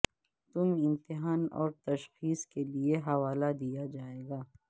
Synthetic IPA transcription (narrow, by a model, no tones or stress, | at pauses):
t̪ʊmɪ̃mt̪ɪɦaːnɔ̰ːɾt̪ɐʃxiːskelieɦɐʋaːlad̪ijad͡ʒaːeːɡaː